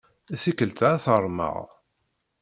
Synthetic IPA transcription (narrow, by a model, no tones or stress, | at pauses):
θikːəlt̪aθəɾˤmə̰ʁ